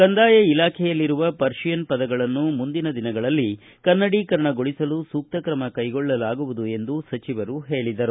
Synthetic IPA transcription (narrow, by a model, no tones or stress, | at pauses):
kɐnd̪aːjɐilaːkʰɛjɐlːiɾuʋɐpɐɾʂijɐnpɐd̪ɐɡɐɭɐnːumund̪inɐd̪inɐɡɐɭɐlːi | kɐnːɐɽiːkɐɾɐɳɐɡoɭisɐlusuːk̚t̪ɐkɾɐmɐkɐjɡɔɭːɐlaːɡuʋud̪ue̞nd̪usɐt͡ʃiʋɐɾuɦeːɭid̪ɐɾu